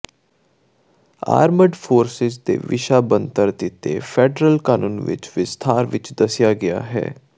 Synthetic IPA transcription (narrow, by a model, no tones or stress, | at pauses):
a̰ːɾməɖfʰoːɾsɪzd̪ḛːʋɪʃaːbənt̪əɾd̪ɪt̪ḛpʰɛːɖɾəlkaːnuːnʋɪ̰t͡ʃʋɪst̪ʰaːɾʋɪt͡ʃd̪əsɪjaːɡɪja̰ːɦɛ̰ː